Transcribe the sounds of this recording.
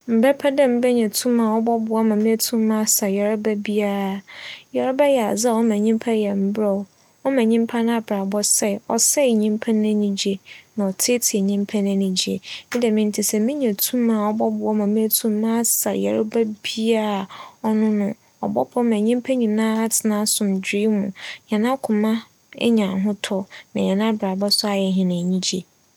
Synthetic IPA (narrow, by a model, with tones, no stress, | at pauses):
m̩˨bɛ˦pʰa˦dɛ˦˨m̩˦bɛ˦ɲɛ̃˨tʰũ˦mã˨ɔ˦bɔ˦bʊ˨a˦mã˨mĩ˦æ˦tʰũ˦mːã˦sa˨jɛ˨ɾa˦bæ˦bi˦a˦ɾjɛ˨ɾa˦bɛ˦jɛ˨a˨za˦˨ɔ˦mã˨ɲĩ˦m˦pʰa˦jɛ˨m̩˦bɾɛ˨ | ɔ˦mã˨ɲĩ˦m˦pʰa˦nã˦a˨ba˨bɔ˦sɛ˦˨ɔ̰˨sɛ˦˨ɲĩ˦m˦pʰa˦nã˦nĩ˨d͡ʑi˦e˨nã˨ɔ˨tʰɪ˦tʰɪ˨ɛ˨ɲĩ˦m˦pʰa˦nã˦nĩ˨d͡ʑi˨˦ḛ˨mɪ̃˦dɛ˨mɪ̃˦n˦tʰɪ˨sɛ˨mĩ˦ɲã˨tʰũ˦mã˨ɔ˦˨bɔ˦bʊ˨ɔ˦mã˨mã˦tʰũ˦mː˦ã˦sa˨jɛ̰˨ɾʊ˦bæ˦bi˦a˦˨ɔ˦nʊ̃˦nʊ̃˦ | ɔ̰˨bɔ˦bʊ˨˦ɔ˦mã˨ɲĩ˦m˦pʰæ̃˦ɲĩ˨nãː˦a˦tʰɪ˨nã˦sʊ̃˨md͡ʑᶣi˦mṵ̃˨ɲã˨nã˦kʰʊ̃˨mã˦ | ɛ̰˦ɲã˨ɦʊ̃˦tʰɔ˦nã˨ɲã˨nã˦bɾa˨bɔ˦sʊ˦a˨jɛ˨ɦɪ̃˨nã˨ɲĩ˦d͡ʑe˨